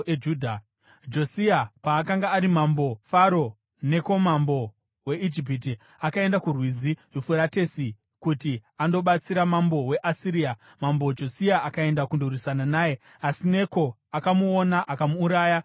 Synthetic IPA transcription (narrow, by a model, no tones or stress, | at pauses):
ed͡ʒuːdʱa | d͡ʒo̞siapaːkaŋɡaːɾimambo̞faɾo̞ | ne̞ko̞mambo̞ | we̞id͡ʒip̬it̬i | akae̞ndakurwiziʐufuɾatesi | kutiando̞ɓat͡siɾamambo̞we̞ʔasiɾiːa | mambod͡ʒo̞siaʔakae̞ndakundorisananaːje̞ | asine̞ko̞ | akamuonaʔakamuːɾaːja